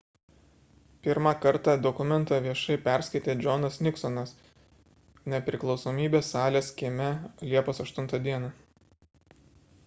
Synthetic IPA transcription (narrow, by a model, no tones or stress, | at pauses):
pʲɪɾmɑkɐɾt̪ɑˑd̪ɔkʊmʲɛnt̪ɑʋʲiɛʃɐɪpʲɛˑɾʲsʲkɐɪt̪ʲeːd͡ʒʲɔnɐsnʲɪksɔnɐs | nʲɛpʲɾʲɪklˠɒʊsoːmʲiːbʲeːsːɑːlʲeːskʲiːmʲɛlʲiɛpoːsɐʃt̪ʊnt̪ɑˑd̪ʲiɛnɑ